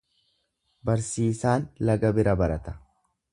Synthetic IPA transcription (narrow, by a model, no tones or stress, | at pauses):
bɐɾsiːsaːnlɐɡɐbɪɾɐbɐɾɐt̪ɐ̥